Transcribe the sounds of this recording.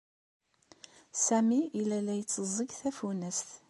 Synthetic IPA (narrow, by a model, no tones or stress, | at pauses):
sæmiːlælæjət͡sːəzˤːəɡθæfunæsθ